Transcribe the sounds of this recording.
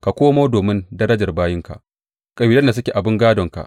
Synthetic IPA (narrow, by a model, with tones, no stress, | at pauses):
ka˨kʷoː˦moː˦doː˨mɪ˦ndɐ˦ɾɐ˦d͡ʒɐ˨rbaː˦jɪ˦ŋka̰˨ʔ | kʼɐ˨biː˨lɐ˦nda˨s̬ʊ˦kʲe˨ʔa˨bɪ˦ŋɡaː˦dɔ˨ŋka̰˨ʔ